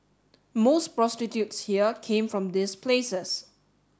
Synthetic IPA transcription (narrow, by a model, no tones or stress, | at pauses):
mospɹɔstitjutshiəkʰẽmfɹɔ̃md̪ispʰlesəs